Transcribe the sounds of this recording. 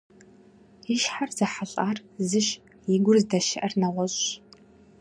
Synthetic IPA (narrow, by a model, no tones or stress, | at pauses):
iʃħarz̥ɐħaɬʼaːrzɨʃ | jɪɡʷʊrzdɐʃɪʔɐrnɐʁʷɔɕʼ